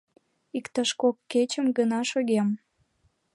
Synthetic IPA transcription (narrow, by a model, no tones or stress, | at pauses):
ikt̪əʃkokːet͡ɕəmɡənɑʃoɣem